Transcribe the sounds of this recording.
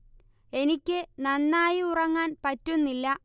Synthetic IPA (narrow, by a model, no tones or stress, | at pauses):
e̞nikʲːɨnɐnːaːjiurɐŋːaːnpɐtːunːilːɐ